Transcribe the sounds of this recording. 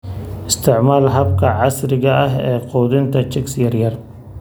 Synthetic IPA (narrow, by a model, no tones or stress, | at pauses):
ʔɪst̪ʰɪʕmaːlɦɐbkʰɐʕɑsɾɪɣɐʔɐɦɛːqɔːd̪ɪnt̪ʰɐt͡ʃɪksjɐɾjɐr